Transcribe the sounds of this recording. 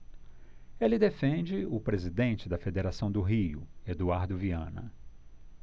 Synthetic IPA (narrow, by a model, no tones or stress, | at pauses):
elɪd̪efẽnd͡ʒɪʊpɾezid̪ẽnt͡ʃɪd̪ɐfed̪eɾasɐ̃w̃d̪ʊɦiʊed̪uaɾd̪ʊviɐ̰̃nɐ̰